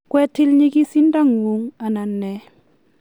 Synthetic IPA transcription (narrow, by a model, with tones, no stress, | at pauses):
kwɛ˦tʰi˦lɲi˦ki˦si˦n˦da˦ŋu˨˦ŋa˨na˨nːɛ˨˦